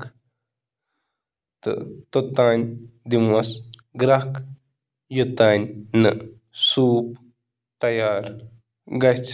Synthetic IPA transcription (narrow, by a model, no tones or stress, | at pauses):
k | t̪ɨ̰t̪ot̪aːnʲd̪imɐsɡɾak | jut̪anʲnɨ | suːp | t̪ɐjaːɾ | ɡɐjt͡s